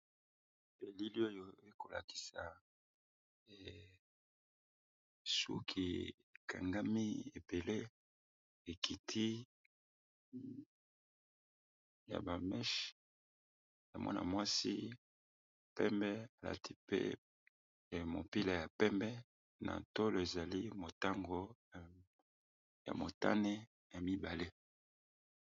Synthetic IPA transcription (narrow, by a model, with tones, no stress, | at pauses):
be˨li˦li˦o˦jo˨e˦ko˨la̰˨ki̥˨sa˨ | ɛ˨ | sṵ˦kʰi˨ | e˨kʰa˨ŋɡa˦mi˦e˨be˨le˦ | e˨ki˨tʰi˦ | ja̰˨ba˨mɛ˦ʃ | ja˨mwʔa̰˦nʔa̰˨mwa˦si˦ | pɛ˦mbɛ˦a˨la̰˨tʰi˦pḛ˦˨ | mo˨pi˦la˨ja˨pɛ˦mbɛ˦ | nʔa̰˨to˦lo˨e˨za˨li˦mo˨ta˦ŋɡo˨ | ja̰˨mo˨ta̰˦ne˦ | ja˨mi˦ba˨le˦